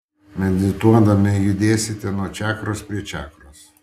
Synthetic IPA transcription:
mʲɛnʲd̪ʲɪt̪uɔd̪ɐmʲɪjʊd̪ʲeːsʲɪt̪ʲɛnuɔt͡ʃʲæːkɾoːspʲɾʲiɛt͡ʃʲæ̰ːkɾoːs

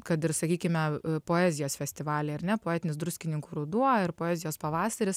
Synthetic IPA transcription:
kɐt̪ɪɾsɐkʲiːkʲɪmʲɛpoːɛːzʲɪjoːsfʲɛsʲt̪ʲɪʋɑːlʲeːɐɾnʲɛpoɛːt̪ʲɪnʲɪsd̪ɾʊsʲkʲɪnʲɪŋkuːɾʊd̪uɔɪɾpoːɛːzʲɪjoːspɐʋɑːsɐɾʲɪs

